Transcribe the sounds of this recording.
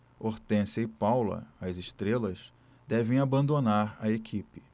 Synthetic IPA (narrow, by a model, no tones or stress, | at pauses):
oɾt̪ẽsɐɪpawlɐ̰ɐziʃt̪ɾelɐs | d̪ɛvẽj̃abɐ̃nd̪onaɾɐekʰipɪ̥